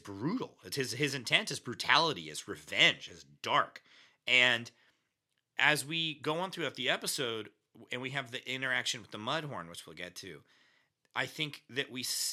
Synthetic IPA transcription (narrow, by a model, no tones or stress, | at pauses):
zbɹuɾl̩ˠɪtshɨzɪzɨ̃ntʰɛ̃nsɨzbɹʉtʰælˠəɾḭɨ̰zɹɨvɛ̃nd͡ʒ̥ɨzd̥ɑɹk | ɨ̃n | ʔɨzwiɡoʊə̃nθɹʉaʊt̪̚ðiɛpəsoʊd | ɨ̃nwiɨvðiʔɪ̃ɾ̃ə˞ækʃɨ̃nwɨðəmʌd̚ɦɔɹnwɨt͡ʃwil̩ˠɡɛtʰʉ̰ | ʔaɪθɪ̃ŋkðɨʔwis